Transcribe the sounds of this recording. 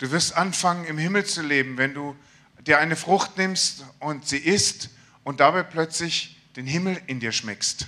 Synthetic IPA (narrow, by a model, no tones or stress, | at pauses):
d̥uːvɪɐstʔanfaŋənɪmhɪml̩t͡suleːbm̩vɛnduː | d̥iːɐʔaɪnəfʁ̥ʊxtnɪmstʔʊntz̥iːʔɪst | ʊnt̚d̥abaɪpʰlœt͡slɪçd̥eːnɦɪml̩ɪndiːɐʃmɛkst